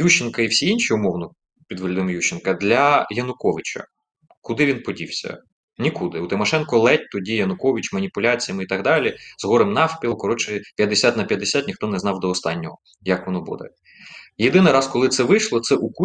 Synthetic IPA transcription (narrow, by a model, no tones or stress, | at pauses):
juʃɪnkɐiwsʲiinʲʃiʊmɔwnɔ | pʲid̪ʋelʲid̪ɪmjuʃɪnkɐd̪lʲɐjɐnʊkɔʋɪt͡ʃɐ̰ | kʊd̪ɪʋʲinpɔdʲiwsʲɐ̰ | nʲikud̪ɪut̪ɪmɔʃɛnkɔlˠɛt̚ʲt̪ɔdʲijɐnʊkɔʋʲit͡ʃmɐnʲipʊlʲat͡sʲijɐmit̪ɐɣd̪ɑlʲizɦɔɾɪmnɑfpʲikɔɾɔt͡ʃɪpʲjɐd̪ːesʲat̪nɐpʲjɐd̪ːesʲat̪nʲixt̪ɔnɛznɑwd̪ɔːst̪ɑnʲːɔɦɔ | jɐkʋɔnɔbṵd̪ɛ̰ | jed̪ɪnɪɾɑskɔlˠɪt̪sɛʋɪjʃlˠɔt̪sɛʔuku